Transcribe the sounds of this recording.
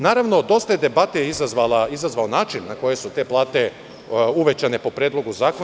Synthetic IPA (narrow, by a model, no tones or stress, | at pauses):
naːɾaʋno̞d̪o̞st̪ajed̪e̞bat̪ejeizazʋalaizazʋaonaːt͡ʃinːako̞je̞sut̪e̞plˠaːt̪e̞ | uʋet͡ɕane̞po̞pɾeːd̪lˠo̞ɡuzaːko